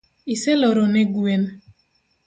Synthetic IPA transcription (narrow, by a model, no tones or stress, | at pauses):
iselɔɾɔnɛɡwen